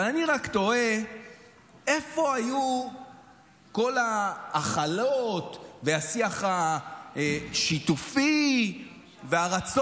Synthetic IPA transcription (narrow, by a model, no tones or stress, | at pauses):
alaniʁakt̪oe̞ | e̞fo̞aju | ko̞laːχalot̪veasiaχaeʃit̪ufi | veaʁat͡s